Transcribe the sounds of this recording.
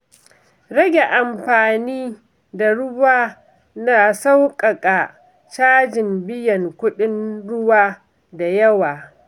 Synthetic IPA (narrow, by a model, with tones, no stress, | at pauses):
ɽɐ˦ɡʲe˨ʔa˨mɸaː˨niː˦ | da˨ɽʊ˦baː˦ | na˨sa˦wkʼɐ˨kʼa˨ | t͡ʃaː˦d͡ʒɪ˨mbɪ˦jɐ˨ŋkʷʊ˦ɗɪ˦nɽʊ˦waː˦ | da˨jɐ˦waː˨